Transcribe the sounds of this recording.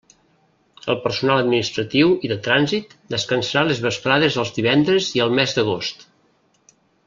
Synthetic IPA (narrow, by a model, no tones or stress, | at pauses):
ə̰lˠpəɾsunalˠəd̪minist̪ɾət̪iwiðət̪ɾanzit̪d̪əskənsəɾalezβəspɾaðezəlˠzðiβ̞ɛnd̪ɾəziəlˠmɛzd̪əɣ̞ost̪